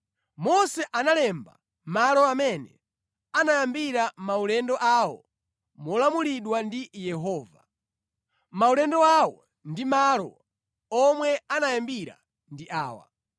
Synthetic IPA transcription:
mɔsɛʔanalɛmba̰ | malɔamɛnɛ | anajambiɾamaulɛndɔʔawɔ̰ | mɔlamuliɗwandijɛɦɔːva̰ | maulɛndɔawɔ | ndimalɔ̰ | ɔmwɛanajambiɾa̰ | ndiʔa̰ːwa̰

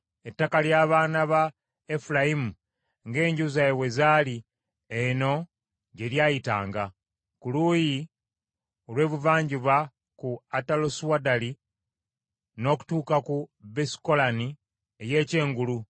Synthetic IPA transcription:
e̞tːakaljaːβaːnaβa | efulaimu | ŋɡe̞ːɲɟuzajewezaːli | eno̞ | ɟe̞ljaːjita̰ːŋɡa | kuluːji | o̞lwe̞ːβuvaːɲɟiβa | kuataloswadali | no̞ːku̥tuːkakubesi̥ko̞lani | eje̞ːce̞ːŋɡulu

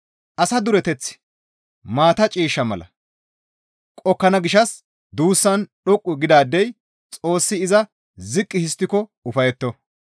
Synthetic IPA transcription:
ʔɐsɐd̪ʊɾɛt̪ɛt͡sːɪ̥ | maːt̪ɐt͡ʃʼiːʃːɐmɐlɐ̰ | kʼɔkːɐnɐɡɪʃɐs | d̪uːsːɐnɗɔkʼːʊɡɪd̪aːd̪ːɛj | t͡sʼo̞ːsːɪːzɐ | zɪkʼːɪhɪst̪ːɪkɔʊfɐjɛt̪ːɔ

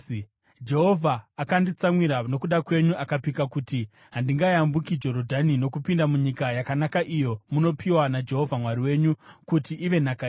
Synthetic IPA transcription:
d͡ʒe̞ɦo̞vʱaːkandit͡samwiɾano̞kuɗakwe̞ɲuʔakapikakuti | ɦandiŋɡajambukid͡ʒo̞ɾo̞dʱanino̞kupindamuɲikajakanakaʔijo̞muno̞pʰiwanad͡ʒe̞ɦo̞vʱamwaɾiwe̞ːɲukutiʔːʋe̞naka

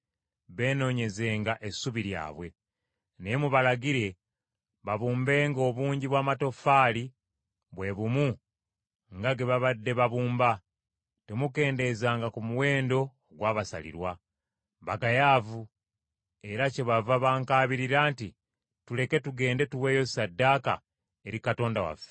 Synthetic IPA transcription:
βe̞ːno̞ːɲe̞ze̞ːŋɡaʔe̞suβiɾja̰ːβwe̞ | nemuβalaɡiɾe̞ | βaβuːmbe̞ːŋɡo̞βuːɲɟiβwaːmato̞faːli | βwe̞βumu | ŋɡaɡe̞βaβadːe̞βaβuːmba | te̞muke̞ːnde̞zaːŋɡakumuwe̞ːndo̞ːɡwaːβasa̰lḭɾwa | βaɡajaːvu | e̞ɾace̞βavaβaːŋkaːβiɾiɾaːnti | tule̞ke̞tuɡe̞ːnde̞tuwe̞ːjo̞sadːaka̰ | e̞ɾikato̞ːndawa̰fe̥

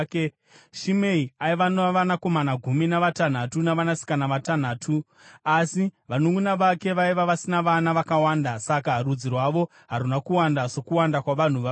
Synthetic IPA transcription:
ʃimeiaiʋanʋanako̞manaɡʱuminaʋatan̤atunaʋanasi̥kanaʋatan̤aːtʰu | asiʋanuŋɡunaʋake̞ʋaiʋaʋasinaʋanaʋakawaːndasakarud͡zirwaʋo̞ | ɦaɾunakuwandasokuwandakwaʋan̤uʋa

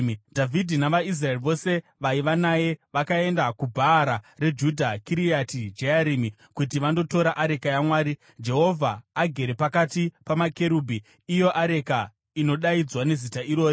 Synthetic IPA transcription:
dʱavʱidʱinaʋais̬raeriʋo̞se̞ʋaiʋanaːje̞ʋakae̞ndakubʱaːɾare̞d͡ʒudʱakiɾijatid͡ʒejaɾiːmi | kut̬iʋando̞to̞ɾaʔaɾe̞kajamwaːɾi | d͡ʒe̞ɦo̞vʱaːɡʱe̞ɾe̞pakatipamake̞ɾuːbʱiː | jo̞ʔaɾe̞ka | ino̞ɗaid͡zwane̞zitaiɾo̞ːɾi

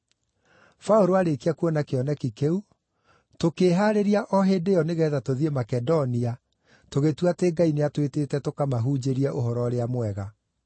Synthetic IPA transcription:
faoɾoaɾekiakuɔnakeɔnɛkikeu | tokeːɦaɾeɾiaʔɔɦedeɔneɣɛːðatoðiemakɛdonia | toɣetuateːŋɡaineatwetetɛtokamaɦuːd͡ʑeɾiɛʔoɦɔɾɔɾeamwɛɣa

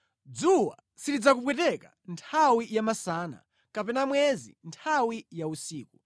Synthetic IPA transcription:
d͡zuwa̰ | sidid͡zak̬upwɛtɛka̰ | ntʰawijamasaːna̰ | kapɛnamwɛzḭntʰawijausiːku

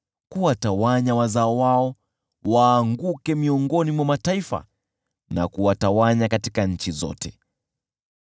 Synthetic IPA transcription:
kuwatawaɲawazaɔwaɔ | waːŋɡukɛmiɔŋɡɔnimwamataifa̰ | na̰kuwatawaɲakatikaɲ̩t͡ʃizɔ̰tɛ

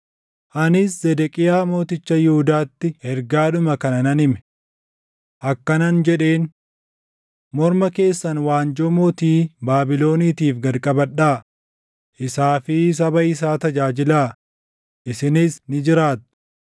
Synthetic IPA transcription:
ʔɐnɪszɛd̪ɛkʼɪjaːmo̞ːt̪ɪt͡ʃːɐjɪhʊd̪aːt̪ːɪhɛɾɡaːᶑʊmɐkɐnɐnɐnɪmɛ̥ | ʔɐkːɐnɐnd͡ʒɛᶑe̞ːn | mɔɾmɐke̞ːsːɐnwaːnd͡ʒɔmoːt̪iːbaːbɪlo̞ːniːt̪iːfɡɐlkʼɐbɐᶑːaː | ʔɪsaːfɪs̬ɐbɐɪs̬aːt̪ɐd͡ʒaːd͡ʒɪlaː | ʔɪsɪnɪsnɪd͡ʒɪɾaːt̪ːʊ̥

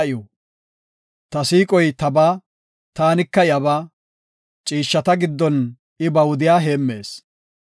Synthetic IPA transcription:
ɪjo | t̪ɐsiːkʼɔjt̪ɐbaː | t̪aːnɪkːɐjɐβaː | t͡ʃʼiːʃːɐt̪ɐɡɪd̪ːɔn | ɪbɐwd̪ɪjaːɦe̞ːmːe̞ːs

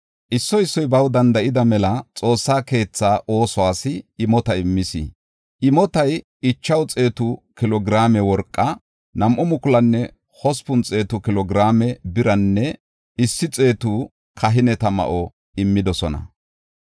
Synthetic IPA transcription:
ʔɪsːɔɪsːɔjbɐwd̪ɐnd̪ɐʔɪd̪ɐmɛlɐt͡sʼo̞ːsːaːke̞ːt͡sːaːʔo̞ːsɔwaːsɪːmɔt̪ɐɪmːɪsɪ̰ | ʔɪmɔt̪ɐj | ɪt͡ʃːɐwt͡sʼe̞ːt̪ʊkɪlɔɡɾaːmɛwɔɾkʼːɐ | nɐmʔʊmʊkʊlɐnːɛ | hɔspʊnt͡sʼe̞ːt̪ʊkɪlɔɡɾaːmɛbɪɾɐnːɛ | ɪsːɪt͡sʼe̞ːt̪u | kʰɐɦɪnɛt̪ɐmɐ̰ʔɔ | ɪmːɪd̪ɔsɔnɐ̰

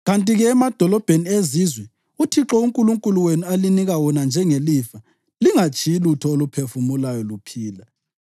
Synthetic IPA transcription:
ɣantʼiɣɛːmad̥ʱɔlɔb̥ʱeniezizwɛ | utʰiǁɔuŋkʼuluŋkʼuluwenualiniɣawɔnand͡ʒʱɛŋelifa | liŋat͡ʃʰʼijilutʰɔolupʰefumulajɔlupʰiːla

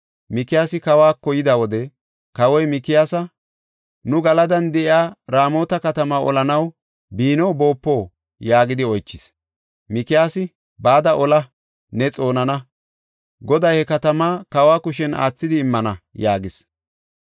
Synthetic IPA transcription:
mɪkɪjaːsɪkɐwaːkɔjɪd̪ɐwɔd̪ɛ | kɐwɔjmɪkɪjaːsɐ | nʊɡɐlɐd̪ɐnd̪ɛʔɪaːɾaːmo̞ːt̪ɐkɐt̪ɐmaʔɔ̰lɐnɐw | biːnɔbo̞ːpːo̞ː | jaːɡɪd̪ɪɔjt͡ʃːɪs | mɪkɪjaːsɪ | baːd̪ɐʔɔlɐ | nɛt͡sʼo̞ːnɐnɐ | ɡɔd̪ɐjhɛkɐt̪ɐmaːkɐwaːkʊʃɛnʔa̰ːt͡sːɪd̪ɪːmːɐnɐjaːɡɪs

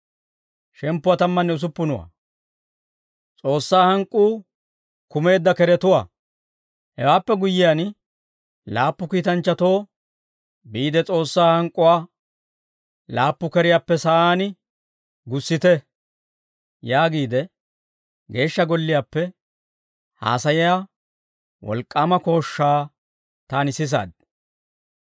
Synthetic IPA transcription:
ʃɛmpːʊwat̪ɐmːɐnːɛʊs̬ʊpːʊnʊwa̰ | t͡sʼo̞ːsːaːhɐŋkʼːuː | kʊme̞ːd̪ːɐkɛɾɛt̪ʊwa̰ː | hɛ̰waːpːɛɡʊjːɪjan | laːpːʊkiːt̪ɐnt͡ʃːɐt̪o̞ː | biːd̪ɛt͡sʼo̞ːsːaːhɐŋkʼːʊwaː | laːpːʊkɛɾɪjaːpːɛsɐʔaːn | ɡʊsːɪt̪ɛ | jaːɡiːd̪ɛ | ɡe̞ːʃːɐɡɔlːɪjaːpːɛ | ha̰ːsɐjɪja | wɔ̰lkʼːaːmɐko̞ːʃːaː | t̪aːnɪsɪs̬a̰ːd̪̚

